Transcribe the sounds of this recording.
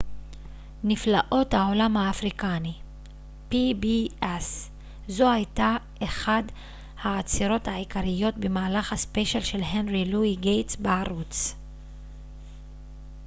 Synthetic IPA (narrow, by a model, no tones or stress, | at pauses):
niflaʔo̞thao̞lamhaːfʁikani | pibies | zo̞hajtaʔeχad | haːt͡siʁo̞thaʕikaʁijo̞tbemaːlaχhaspeʃalʃe̞lɦenʁiluiɡejtsbaaʁut͡s